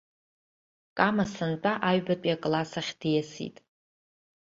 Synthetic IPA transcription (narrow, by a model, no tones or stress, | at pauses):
kʼamasɨnt͡pʼaʔaɥbatʼiakʼlasaχʲd̥ijasḭtʼ